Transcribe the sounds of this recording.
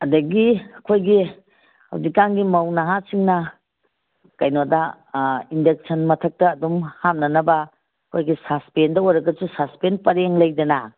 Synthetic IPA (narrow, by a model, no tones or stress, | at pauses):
ɐdɐɡiɐkʰojɡi | hɐ̰wzikaŋɡimɐwnɐɦasiŋnɐ | kɐjnodɐ | indek̚sɐnmɐtʰɐk̚tɐːdumhamnɐnɐbɐ | kʰojɡisaspendɐojɾɐɡɐsusaspenpɐɾeŋlɐjdɐnɐ